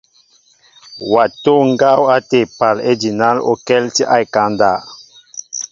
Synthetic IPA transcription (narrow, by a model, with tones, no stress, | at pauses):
wa˨to˦ŋɡa˦wa˦te˨pa˨le˦di˨na˦lo̰˨kɛ˦lti˦ʔa˦jka˨˦nda˦˨